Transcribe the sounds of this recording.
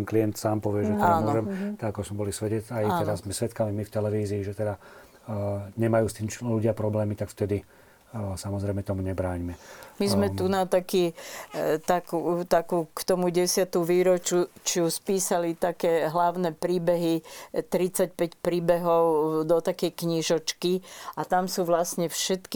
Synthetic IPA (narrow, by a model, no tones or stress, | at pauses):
ɛnkliɛnt̪saːmpɔʋɪɛʒɛt̪anmʊɔʒɛmt̪aɡakɔzmɛbɔlisʋɛɟɛt͡sajaɛd̪azmɛsʋɛt̪kamimift̪ɛlɛʋiːziːʒɛt̪ɛd̪a | ɲɛmajuːst̪iːmt͡ʃluɟɪapɾɔblɛːmit̪akft̪ɛd̪i | samɔzɾɛjmɛt̪ɔmuɲɛbɾaːɲimɛmizmɛt̪unat̪akiː | t̪akuːt̪akuːkt̪ɔmuɟɛsɪat̪uʋiːɾɔt͡ʃut͡ʃuspiːsalit̪akɛːɦlaʊnɛpɾiːbɛɦit̪ɾit͡sac̚pɛcpɾiːbɛɦɔʊd̪ɔt̪akɛjkɲiʒɔt͡ʃkiat̪amsuːʋlasɲɛfʃɛt̪ki